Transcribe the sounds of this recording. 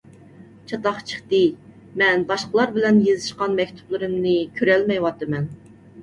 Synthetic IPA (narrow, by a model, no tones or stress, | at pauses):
t͡ʃʰɑt̪ɑχt͡ʃʰə̥χt̪ɨ | mɛnbɑʃqəlˠɑɾbɪlɛnjezɨʃqɑnmɛkʲt̪ʰu̥plˠɨɾɨmnɨkʲʰøɾɛlmɛjwɑt̪ːɨmɛn